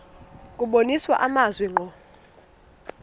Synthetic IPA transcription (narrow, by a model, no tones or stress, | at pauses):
kʼuɓoniswa̰ʔamazwɛŋ͡ǃʱɔ